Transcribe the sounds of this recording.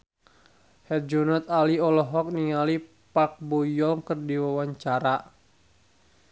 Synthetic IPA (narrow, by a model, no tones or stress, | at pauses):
hɛt̪̚d͡ʒɔnɔt̪̚aliɔlɔɦɔk̚niŋali | pak̚bɔjɔŋkərdiwawaɲt͡ʃaɾa